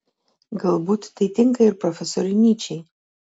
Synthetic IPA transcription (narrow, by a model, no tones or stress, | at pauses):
ɡɨlbutʰtʰejtʼiŋkʼairpʼrofesoɾinit͡ʃʰej